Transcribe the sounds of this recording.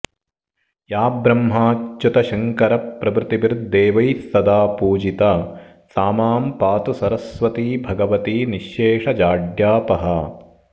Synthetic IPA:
jaːbɾɐmɦaːt͡ʃːut̪ɐʃɐŋkɐɾɐpːɾɐbɾɪt̪iʋiɾd̪d̪eːʋɐjsːɐd̪aːpuːd͡ʒit̪ɐ | saːmaːmpaːt̪usɐɾɐsʋɐt̪iːbʱɐɡɐʋɐt̪iːniʃːeːʂɐd͡ʒaːɖjaːpɐɦɐ

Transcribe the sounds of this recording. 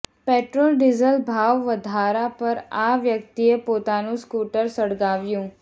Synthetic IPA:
peʈɾoːlɖizəlbʱaʋʋəd̪ʱaɾapəɾaʋjək̚t̪iepoːt̪anũskuʈəɾsəɽɡaʋjũː

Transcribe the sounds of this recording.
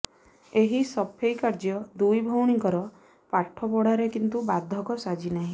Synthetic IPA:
eɦisɔpʰejkaɾd͡ʒjɔd̪ujbʱowɽ̃iŋkɔɾɔ | paʈʰːɔp̬ɔɽ̤aɾekint̪ubad̪ʱːɔkɔsad͡ʒinaɦĩ

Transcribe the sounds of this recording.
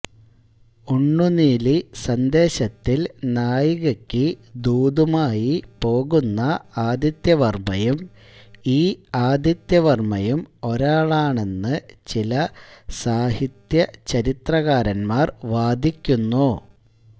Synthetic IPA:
uɳːuniːlisɐnd̪e̞ːɕɐt̪ːilnaːjiɣɐkʲːɨd̪uːd̪umaːjipo̞ːɣunːɐaːd̪jɐt̪jɐʋɐrmɐjum | iːaːd̪ʱjɐt̪jɐʋɐrmɐjumo̞ɾaːɭaːɳe̞nːɨt͡ɕilɐsaːhit̪jɐt͡ɕɐɾit̪rɐɣaːɾɐnmaːrʋaːd̪ʱikʲːunːu

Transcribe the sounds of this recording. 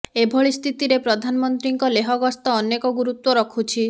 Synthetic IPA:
ebʱɔɭist̪ʰit̪iɾepɾɔd̪ʱanɔmɔnt̪ɾiŋkɔleɦɔɡɔst̪ɔːnekɔɡuɾut̪wɔɾɔkʰut͡ʃʰi

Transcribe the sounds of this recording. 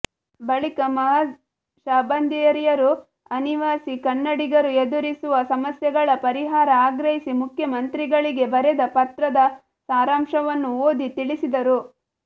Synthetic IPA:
bɐɭikɐmɐɦɐ | ʃaːbɐnd̪ʱijɐɾijɐɾu | ɐniʋaːsikɐnːɐɽiɡɐɾued̪uɾisuʋɐsɐmɐsjɛɡɐɭɐpɐɾiɦaːɾɐaːɡɾɐɦisimukʰjɐmɐnt̪ɾiɡɐɭiɡe̞bɐɾɛd̪ɐpɐt̪ɾɐd̪ɐ | saːɾaːmʂɐʋɐnːuoːd̪it̪iɭisid̪ɐɾu

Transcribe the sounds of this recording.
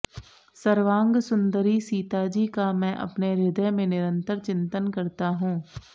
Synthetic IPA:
səɾʋãːŋɡsʊ̃nd̪əɾisiːt̪ad͡ʒiːkamɛ̃ːʔɐ̰pneɾɪd̪əjmẽnɪɾə̃nt̪əɾt͡ʃɪ̃nt̪ənkɐɾt̪aɦũː

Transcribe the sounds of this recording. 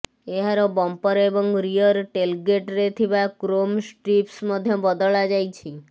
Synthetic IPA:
eɦaɾobɔmpəɾebɔŋɡɾijəɾʈelɡeʈɾet̪ʰibakɾomsʈɾipsməd̪ʱjɔbəd̪əɭad͡ʒajt͡ʃʰi

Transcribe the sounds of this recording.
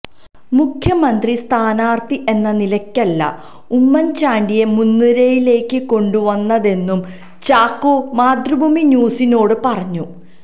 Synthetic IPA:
mukʰjɐmɐnd̪rist̪ʰaːnaːrt̪iʔe̞nːɐnilɐkʲːɐlːɐ̰ | umːɐnt͡ɕaːɳɖije̞munːuɾejile̞ːkːɨko̞ɳɖuʋɐnːɐðe̞nːum | t͡ɕaːkːomaːd̪rubʱumiɲuːsino̞ːɽɨpɐrɐɲːu

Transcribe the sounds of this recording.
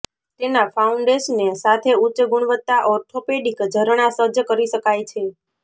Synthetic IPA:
t̪enafʰauɳɖeʃənːesat̪ʰeut͡ʃəɡuɳ̃ʋət̪ːaʔɔɾʈʰopeɖikd͡ʒʱəɾɳasəd͡ʒəkəɾiʃəkajt͡ʃʰe

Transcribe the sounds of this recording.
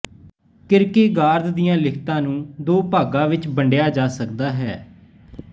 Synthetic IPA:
kɪɾkeːɡaːɾd̪d̪ɪjãːlɪkʰt̪ãːnũːd̪oːpaːɡãːʋɪt͡ʃbəɳɖɪjaːd͡ʒaːsəkd̪aːɦɛː

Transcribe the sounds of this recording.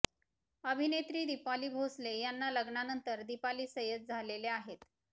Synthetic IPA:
əbʱinet̪ɾiːd̪ipaliːbʱoslejanːaləɡɳanənt̪əɾd̪ipaliːsəjəd͡zd͡zʱaleleaɦet̪

